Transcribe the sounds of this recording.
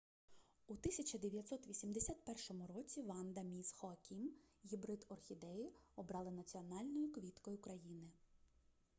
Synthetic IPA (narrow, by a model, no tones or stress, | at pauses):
ut̪ɪsʲɐt͡ʃɐd̪eʋʲjɐt̪ʲsɔt̪ʋʲisʲimd̪esʲat̪̚pɛrʃɔmʊɾɔt͡sʲiʋɑnd̪ɐmʲisxɔɐkʲʰimɦʲibɾɪd̪ɔrxʲid̪ɛjiɔbɾɑlˠɪnɐt͡sʲiɔnɑlʲnɔjʊkʋʲit̪kɔjʊkɾɐjinɪ